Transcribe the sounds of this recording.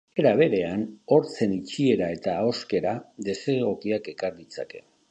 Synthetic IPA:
e̞ɾaβ̞e̞ɾe̞ano̞ɾt͡se̞nit͡ʃie̞ɾae̞t̪aːo̞ske̞ɾad̪e̞se̞ɣo̞kiakekaɾd̪it͡sa̰ke̞̥̰

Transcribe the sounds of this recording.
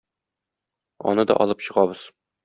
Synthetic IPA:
ɒ̰nɤd̪ɒ̰ʔɒlˠɤpɕɤ̆ʁɑbɤz̥

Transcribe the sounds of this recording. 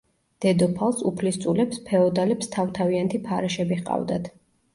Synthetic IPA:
d̪̥ɛd̪ɔpʰalˠsupʰlist̪sʼulɛpspʰɛɔd̪alɛpst̪ʰavt̪ʰaviant̪ʰipʰaɾɛʃɛbiχqʼa̰vd̪at̪ʰ

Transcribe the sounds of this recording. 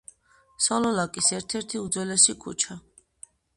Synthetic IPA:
sɔlɔlakʼisɛɾt̪ʰɛɾt̪ʰiud̪zwɛlɛsikʰṵt͡ʃʰa

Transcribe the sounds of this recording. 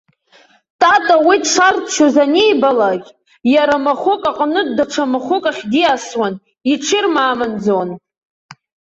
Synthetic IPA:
tʼatʼawitʂartʰʃazanejbalaɡʲ | jaɾamaχʷʊkʼaqʼnɨdaʈ͡ʂʰamaχʷʊkʼaχʲdiaswan | iʈ͡ʂʰɪrmaːmand͡zon

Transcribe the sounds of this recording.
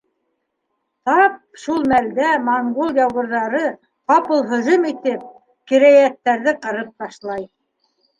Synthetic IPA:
t̪ɑp̚ʃulˠmæld̪æmɑɴɡolˠjɑwʁɤ̆ɾðɑɾɤ | qɑpɤlˠɦɤ̆ʒɤmit̪ɘp̚ | kiɾæjæt̪ːæɾðɘqɤ̆ɾɤp̚t̪ɑʃlˠɑj

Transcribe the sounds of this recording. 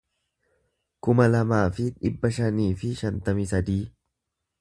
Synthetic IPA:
kʊmɐlɐmaːfɪᶑɪbːɐʃɐniːfɪʃɐnt̪ɐmɪsɐd̪iː

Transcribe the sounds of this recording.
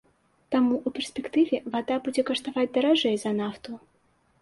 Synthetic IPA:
t̪amuʔupʲɛrsʲpʲɛkt̪ɨvʲɛvad̪abud͡zʲɛkɐʂt̪avad͡zʲd̪ɐɾaʐɛjzɐnaft̪u

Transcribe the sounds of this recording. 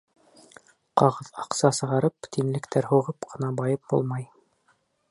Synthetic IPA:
qɑʁɤðɑqsɑsɤ̆ʁɑɾɤpt̪inlɘ̆kt̪æɾɦuʁɤpqʰɤ̆nɑbɑjɤp̚bṵlˠmɑj

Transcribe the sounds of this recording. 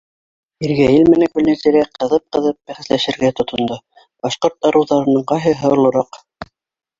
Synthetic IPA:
iɾɡæjɘlmɘ̆nækʉlnæ̆t̪ɘ̆ɾæqɤ̆ðɤp̚qɤ̆ðɤp̚bæχæ̆slæʃɘ̆ɾɡæt̪ŏt̪ŏnd̪ɤ | b̥ɑʃqoɾt̪ɑɾɤ̆wðɑɾɤ̆nɤɴqɑjɦɤɦŏlˠɤ̆ɾɑq

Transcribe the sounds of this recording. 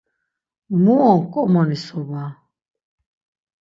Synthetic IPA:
muɔŋkʼɔmɔnisɔba

